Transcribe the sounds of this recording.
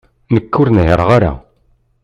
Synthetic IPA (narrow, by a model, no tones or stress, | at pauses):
nəkːʊɾnɦəɾˤʁaɾa̰